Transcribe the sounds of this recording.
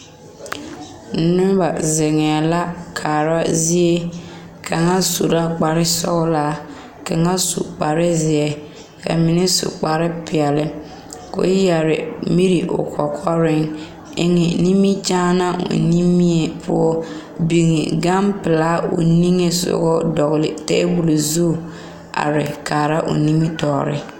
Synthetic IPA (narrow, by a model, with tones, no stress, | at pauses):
nʊ˦ba˨zɪ˨ŋɛ˨la˦kʰaː˨ɾa˦zi˦e˦ | kʰa˨ŋa˦su˨ɾa˦k͡pa˨ɾɪ˦sɔ̰˦ɣla˦˨ | ka˨ŋa˦sṵ˨k͡pa˨ɾɪ˦zɪ˨ɛ˨ | ka̰˨mi˨ne˦sʊ̰˨k͡pa˨ɾɪ˦pɪ˨ɛ˨lɪ˨ | ko̰˦jɛ˨ɾɪ̰˨mi˦ɾi˨ʔʊ̰˨kʰɔ˨kʰɔ˦ɾɪ˦ŋ | ɪ˦ŋɛ˨ni˦mi˦t͡ʃaː˦na˦ʔo̰˨ni˦mi˦e˨pʰʊ˦ɔ˦ | bi˨ŋe˨ɡa˦mpɪ˨la˦o̰˨ni˦ŋe˦sʊ̰˦ɣɔ˦dɔ˨ɣɪ˨lɪ˨tḛ˦bu˨lo˨zu˦˨ | a̰˨ɾɪ̰˨kaː˨ɾa˦ʔo̰˨ni˦mi˦tɔː˨ɾɪ̰˦